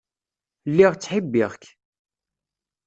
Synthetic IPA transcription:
lːiʁt͡sːħibːiʁk

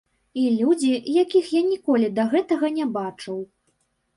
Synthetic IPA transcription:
ilʲud͡zʲijakʲixjanʲikɔlʲid̪ɐɣɛt̪ɐɣɐnʲɛbat͡ʂɐw

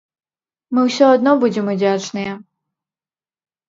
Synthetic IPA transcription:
mɨwsʲɔad̪nɔbud͡zʲɛmud͡zʲat͡ʂnɨjɛ

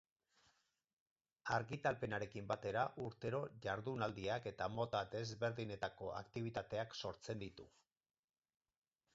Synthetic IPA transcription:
aɾɣit̪alpe̞naɾe̞kimbat̪e̞ɾaʔuɾt̪e̞ɾo̞ʝaɾðunald̪iake̞t̪amo̞t̪ad̪e̞zβe̞ɾðine̞t̪ako̞ʔa̰kt̪iβ̞it̪at̪e̞akso̞ɾt͡se̞nd̪it̪u

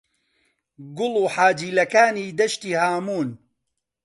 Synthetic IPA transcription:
ɡʊluːħaːd͡ʒiːlɐkaːniːd̪ɐʃt̪iːhaːmuːn

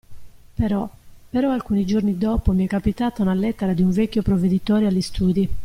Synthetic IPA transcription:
pɛɾɔpɛɾɔalkuːnid͡ʒornid̪ɔːpomiɛkːapit̪aːt̪aunalɛt̪ːeɾad̪iuɱvɛkʲːjopɾoved̪it̪oːɾealːist̪ʰuːd̪i

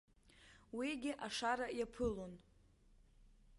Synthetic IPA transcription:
wiɡʲɪʔaʂaɾajapʰɨlon

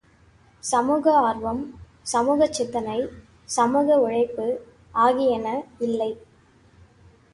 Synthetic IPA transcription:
sɐmuːɣɐaːɾʋɐm | sɐmuːɣɐt͡ʃːɪt̪ːɐnɐɪ | sɐmuːɣɐʊɻɐɪpːɯ | ʔaːɣɪjɐnɐɪlːɐɪ

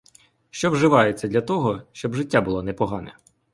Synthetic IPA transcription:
ʃt͡ʃɔwʒɪʋɑjet͡sʲːɐd̪ʲlʲɐt̪ɔɦɔʃt͡ʃɔbʐɪtʲːabʊlˠɔnɛpɔɦɑnɛ̰

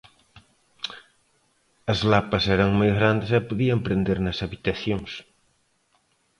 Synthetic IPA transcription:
ɐzlapɐsɛɾɐŋmojzɣɾand̪esɛpoðiɐmpɾend̪eɾnɐsaβit̪ɐθjoŋs

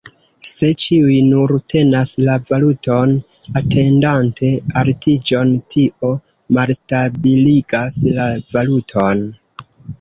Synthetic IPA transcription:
se̞t͡ʃiujnuɾtʰe̞naslavalutʰo̞n | atʰe̞ndantʰe̞altʰid͡ʒo̞ntʰiʔo̞ | malstabiliɡaslavalutʰo̞n

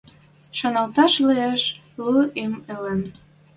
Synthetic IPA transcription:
ʃonɑlt̪ɑʃleeʃ | lɤʔemelə̆n

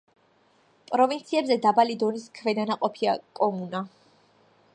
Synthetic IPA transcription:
pʼɾɔvint̪sʰiɛbzɛd̪abalid̪ɔniskʰvɛd̪anaqʼɔpʰiakʼɔmuna

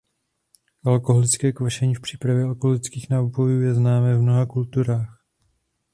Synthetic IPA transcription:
ʔalkoɦolɪt͡skɛːkvaʃɛɲiːfpr̝̥iːpɾavjɛalkoɦolɪt͡skiːxnaupojuːjɛznaːmɛːvmno̞ɦakult̪uɾaːx

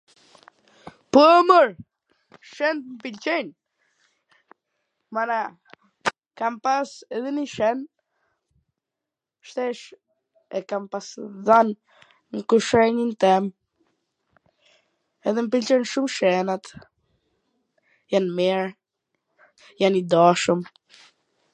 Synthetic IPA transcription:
puməɾ | ʃɛnt̪mpilt͡ʃɛn | mana | kampasɛðɛniʃɛn | ʃt̪ɛʃ | ɛkampasðan | ŋkuʃɛɲint̪ɛm | ɛðɛməpilt͡ʃɔnʃumʃɛnat̪ | janmɛɾ | janid̪aʃum

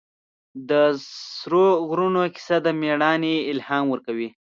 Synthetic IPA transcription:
d̪əsɾoɣɾunokɪ̥sad̪əmeɽɑneɪlhɑmwəɾkawi

